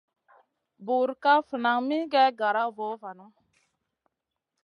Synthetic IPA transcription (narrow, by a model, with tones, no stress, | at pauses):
bu˨ɾka˦fə˨na˨ŋmi˦ɡɛ˦ɡa˨ɾa˦vɔ˨˦va˨nu˦